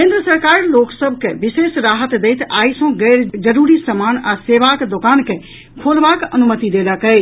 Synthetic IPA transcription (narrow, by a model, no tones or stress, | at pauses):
kẽnd̪ɾəsəɾkaɾloksəbʱkebisesɾaɦət̪d̪ejt̪aisə̃ɡɛɾd͡ʒəɾuɾisəmanaseβakd̪okanke | kʰolbakənumət̪id̪eləkəj